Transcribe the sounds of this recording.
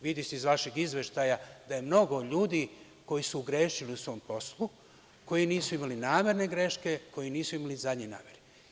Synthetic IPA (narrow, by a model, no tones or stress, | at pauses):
ʋid̪iseizʋaʃeɡizʋe̞ʃt̪ajad̪aje̞mno̞ɡo̞ʎuːd̪i | ko̞jisuɡɾeːʃiliusʋo̞ːmpo̞slˠu | ko̞jiniːsuimalinaːmʲe̞ɾne̞ɡɾe̞ʃke̞ko̞jiniːsuimalizad̪ɲena̰ːmjeɾe